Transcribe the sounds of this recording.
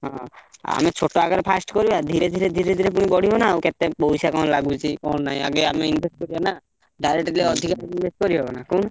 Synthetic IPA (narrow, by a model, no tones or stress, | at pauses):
ɦɔ̃a̰met͡ʃʰoʈoaɡaɾɔpʰasʈkɔɾibad̪ʱiɾed̪ʱiɾed̪ʱiɾed̪ʱiɾepuɽ̃ibɔɽ̤ibɔnaːwket̪epoɦsakɔ̃laɡut͡ʃʰikɔũnaɦĩaɡeameinbʱesʈ̚kɔɾibana | ɖajɾeʈleɔd̪ʱikainbʱesʈkɔɾibebɔnakɔ̃na